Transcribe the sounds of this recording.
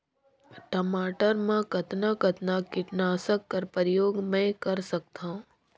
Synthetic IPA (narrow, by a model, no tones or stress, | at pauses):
ʈəmaːʈəɾmãkət̪nakət̪nakɪʈnaːsəkːəɾpəɾjoːɡmɛ̃kəɾsɐk̚t̪ʰãː